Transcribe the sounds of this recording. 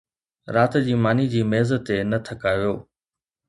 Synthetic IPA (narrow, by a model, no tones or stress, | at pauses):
ɾaːt̪d͡ʑiːmaːnid͡ʑiːmeːzət̪ːenɐt̪ʰəkaːʋijoː